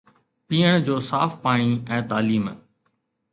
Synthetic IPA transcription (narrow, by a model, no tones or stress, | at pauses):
piːəɽ̃d͡ʑoːsaːfpaːɽ̃iɛ̃ːt̪aːliːm